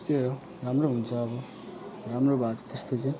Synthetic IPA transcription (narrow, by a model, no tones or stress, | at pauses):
st̪iɾo | ɾamɾoɦunt͡sʰʌːbʌ | ɾamrobat̪t̪est̪ot͡se